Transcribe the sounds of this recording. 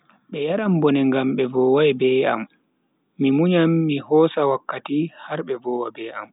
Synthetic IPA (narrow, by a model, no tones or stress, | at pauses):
ɓɛjaɾambɔnɛŋɡamɓɛvɔːwajbɛa̰mː | imuɲamːihɔːsawakːatihaɾɓɛvɔːwabɛa̰m